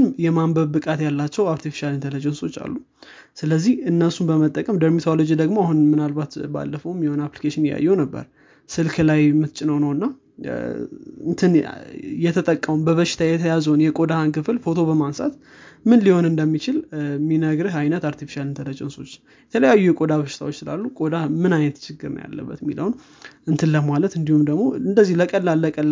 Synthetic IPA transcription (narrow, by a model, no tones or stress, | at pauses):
njɛmambəβːɨkʼat̪jalːat͡ʃːɛwaɾt̪ʰifi̥ʃalɨnt̪ələd͡ʒɛnso̞t͡ʃːa̰lːu | sɨləzːihɨnːəsunbəmət̪ʼːəkʼəmd̪əɾmit̪ʰolo̞d͡ʒid̪əɡmoahunmɨnalbat̪ba̰lːəfəwmjiho̞naplikʰeʃɪnjja̰jːɛwnəbːə̰ɾ | sɨlkʰɨlajmɨt̪t͡ʃʼɪnəwnəwɨnːa | ɨnt̪ʰɨnjɛt̪ʰət̪ʼəkʼːəwumbəβəʃɪ̥t̪ʰajɛt̪ʰəjazəwnjɛkʼo̞d̪ahŋkɨfɨlfo̞t̪ʰo̞βəmansa̰t̪ | mɨnliho̞nɨnd̪əmːit͡ʃɪlminəɡɾɨɦajnət̪aɾt̪ifi̥ʃalɨnt̪ʰələt͡ʃʼɛnso̞t͡ʃː | jɛt̪ʰələjajːujɛkʼo̞d̪aβəʃɪt̪ʰa̰wo̞t͡ʃːsɨla̰lːukʼod̪amɨnajnət̪t͡ʃʰɪɡːɨɾn̰ja̰lːə̰bːə̰t̪mːiləwn | ʔɨnt̪ʰɨlːəmalət̪ɨnd̪ihumd̪əɡmo̞ɨnd̪əzːihləkʼəlːalːəkʼəlː